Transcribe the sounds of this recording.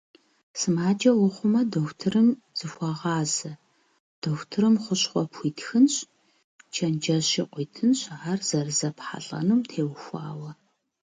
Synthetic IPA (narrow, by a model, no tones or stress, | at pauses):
sɨmaːd͡ʒʼɐwʊχʷʊmɐdoxʷtʰɨrɨmz̥ɨxʷɑʁɑːzɐ | d̥oxtʰɨɾɨmχʷʊɕχʷɔpʰʷiːtxɨnɕ | t͡ʃʰɐnd͡ʒɐɕiqʷiːtʰɨnɕarz̥ɐrzɐpħa̰ɬʼɐ̰nuːmtʰeːwxʷɑ̰ːwɐ